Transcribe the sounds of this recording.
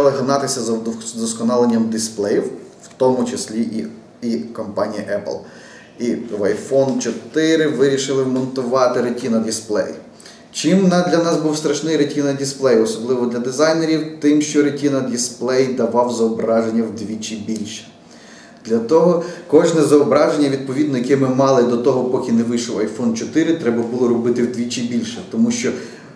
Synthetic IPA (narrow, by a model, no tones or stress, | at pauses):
lˠɪɦɐnɑt̪ɪsʲɐzɐd̪ɔskɔnɑlˠenʲːɐmd̪ɪsplˠɛjiwwt̪ɔmʊt͡ʃesʲlʲiʔi | ikɔmpɑnʲijiʔɛplˠ | iʋɐjfɔnt͡ʃɔt̪ɪɾɪʋɪɾʲiʃɪlˠɪmɔnt̪ʊʋɑt̪ɪɾetʲinɐd̪ʲisplˠɛ̰j | t͡ʃimnɑd̪lʲɐnɑsbuwst̪ɾɐʃnɪjɾetʲinɐdʲisplˠɛjɔsɔblˠɪʋɔd̪lʲɐd̪ɪzɑjneɾʲiwt̪ɪmʃt͡ʃɔɾetʲinɐd̪jisplˠɛjd̪ɐʋɑwzɐɔbɾɑʒenʲːɐwd̪ʲʋʲit͡ʃibʲilʲʃɛ̥ | d̪̥lʲɐt̪ɔɦɔkɔʒnɛzɐɔbɾɑʒenʲːɐʋʲid̪̚pɔʋʲid̪nɔjɐkɛmɪmɑlˠɪd̪ɔt̪ɔɦɔpɔkʲineʋɪʃɔwɐjfɔnt͡ʃɔt̪ɪɾɪt̪ɾɛbɐbulˠɔɾɔbɪt̪ɪwd̪ʲʋʲit͡ʃibʲilʲʃɛt̪ɔmuʃt͡ʃɔ